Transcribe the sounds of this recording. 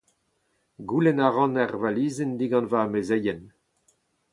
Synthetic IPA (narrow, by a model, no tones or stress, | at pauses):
ɡulɛnaʁɑ̃naʁvaliːzend̪iɡɑ̃nvaːmezɛjɛn